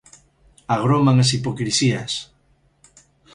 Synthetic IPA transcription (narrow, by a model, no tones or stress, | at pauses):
aɣ̞ɾomaŋas̬ipokɾisiɐs